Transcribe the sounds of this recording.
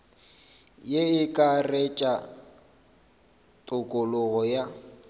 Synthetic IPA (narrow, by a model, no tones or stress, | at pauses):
jeɪkʼaret͡ʃʼa | tʼʊkʼʊlʊɣɔja